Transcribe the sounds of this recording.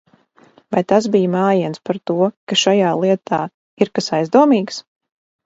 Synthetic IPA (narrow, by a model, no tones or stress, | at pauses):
vajt̪as̬bijmaːjiɛnspaɾt̪uɔkaʃajaːlˠiɛt̪ʰaː | iɾkasajzd̪uɔmiːɡs